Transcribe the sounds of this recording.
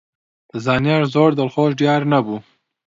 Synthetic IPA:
zɑːnjɑɾzoɽd̪alχoʃɖjɑːɾnabu

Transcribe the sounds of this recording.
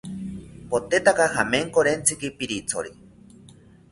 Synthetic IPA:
pot̪et̪akahameŋkoɾent͡sʰikipiɾit͡sʰo̰ɾi

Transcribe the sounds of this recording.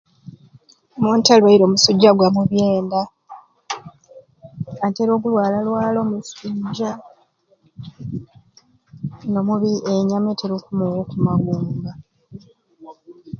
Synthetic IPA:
muːntalwaiɾo̞ːmusuɟːaɡwamuβje̞ːnda | anteɾo̞ːɡulwaːlalwaːlo̞ːmusuɟa | no̞muβieɲameteɾokumuwokumaɡuːmba

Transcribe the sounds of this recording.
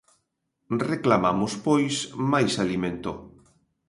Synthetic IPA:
reklamamuspojsmajsalimẽnt̪o

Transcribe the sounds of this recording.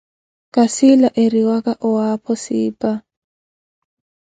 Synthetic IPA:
kʼasɪlaʔɪriwakʼaʔʊapʰɔsɪːpʼa

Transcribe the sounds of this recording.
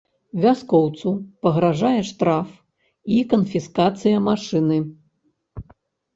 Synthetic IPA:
vʲaskɔwt̪supɐɣɾaʐajɛʂt̪ɾaf | ikɐnfʲiskat̪sɨjɐmaʂɨnɨ

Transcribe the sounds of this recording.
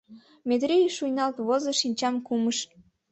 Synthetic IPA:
met̪ɾʲijʃujnɑlt̪βozɤʃinʲt͡ɕɑmkuməʃ

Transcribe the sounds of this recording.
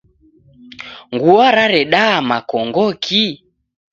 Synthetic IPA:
ŋɡuaɾaɾɛɗaamakɔŋɡɔkʰi

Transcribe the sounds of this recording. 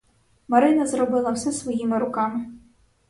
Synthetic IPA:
maɾɨnɐzrɔbɨlˠɐwsɛsvɔjimɪɾʊkamɪ

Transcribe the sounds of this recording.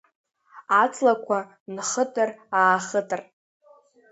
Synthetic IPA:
at͡sʰʼlakʷʰa | nχətʼɨraːχətʼɨr

